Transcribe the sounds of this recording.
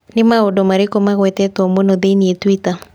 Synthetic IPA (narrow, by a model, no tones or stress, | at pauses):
nɪmaodomaɾɪkomaɣwɛt̪ɛt̪ɔmonod̪eniet̪wit̪a